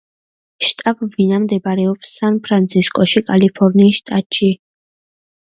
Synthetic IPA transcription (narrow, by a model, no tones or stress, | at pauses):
ʃt̪ʼabvinamd̪ɛbaɾɛɔpsanpʰɾant̪sʰiskʼɔʃikʼalipʰɔɾniːsʃt̪ʼat̪ʼʃi